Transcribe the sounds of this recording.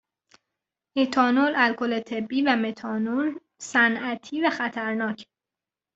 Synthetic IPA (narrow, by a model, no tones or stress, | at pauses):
ʔet̪ʰɒːnolælkʰolet̪ʰe̞bːiːvæmet̪ʰɒːnol | sænʔæt̪ʰiːvæxæt̪ʰæɾnɒːcʰ